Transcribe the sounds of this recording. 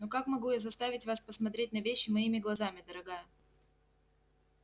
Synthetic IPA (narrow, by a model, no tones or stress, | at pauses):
nokakmɐɡujazɐst̪avʲɪtʲvaspəsmɐt̪ɾʲet̚ʲnəvʲeɕːɪmɐimʲɪɡlˠɐzamʲɪd̪əɾɐɡajə